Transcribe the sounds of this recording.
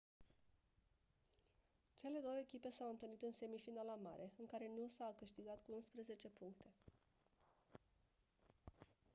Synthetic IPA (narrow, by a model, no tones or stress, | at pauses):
t͡ʃe̞le̞d̪o̞wəekʲipe̞sawɨnt̪ɨlnit̪ɨnse̞mifinalama̰ɾʔe̞ɨŋkaɾe̞nusawkɨʃt̪iɡat̪kuunspɾeze̞t͡ʃe̞puŋk̚t̪e̞